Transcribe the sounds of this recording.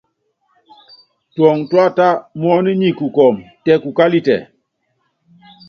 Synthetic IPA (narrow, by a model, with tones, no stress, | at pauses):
twɔ˨ŋtwa˦ta˦mɔ˦ni˦ɲi˦˨ku˨kɔ˨m | tɛ˦˨ku˨ka˦li˦tɛ̰˨